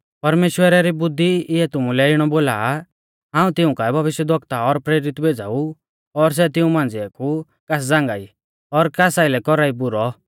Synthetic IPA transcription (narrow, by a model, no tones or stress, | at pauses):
pɐɾmeːʃwəɾaɾibʊd̪ʱːiɪɛt̪ʊmũlɛɪɽ̃ɔboːla̰ː | ɦãːũt̪ɪũkaɛbʱɐʋɪʃjəd̪ʱɔkt̪aɔɾpɾeːɾɪt̪bʱed͡zaːu | ɔɾs̬ɛt̪ɪũmãːnd͡ziakʰu | kas̬d͡zãŋɡaːi | ɔɾkasailɛkɔɾaibʊɾɔ